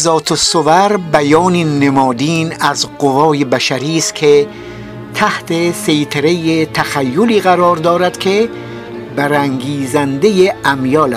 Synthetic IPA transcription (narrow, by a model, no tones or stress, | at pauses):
zɒːt̪ʰosovæɾbæjɒːninemɒːd̪iːnæzɢovɒːjebæʃæɾiːst̪kʰe | t̪ʰæht̪ʰesejt̪ʰeɾejet̪ʰæxæjːoliːɣæɾɒːɾd̪ɒːɾæd̪̥kʲʰe | bæɾæŋɡiːzænd̪ejeæmjɒːlæs